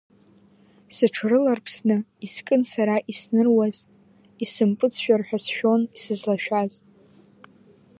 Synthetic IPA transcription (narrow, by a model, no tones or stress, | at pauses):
sɨʈ͡ʂʰrɨlarpʰsnɨiskʼɨnsaɾaʔisnɨrwaz | isɨmpʼɨt͡sʰʃᶣarħᶣasʃᶣo̞nisɨzlaʃᶣaz